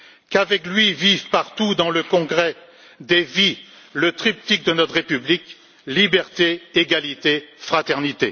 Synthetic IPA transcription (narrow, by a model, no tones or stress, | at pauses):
kavɛklɥivivpaʁt̪ud̪ɑ̃ləkɔ̃ɡʁɛ | d̪evi | lət̪χip̚t̪ik̚d̪ənɔt̪χʁepyblik | libɛʁt̪eːɡalit̪efχat̪ɛʁnit̪e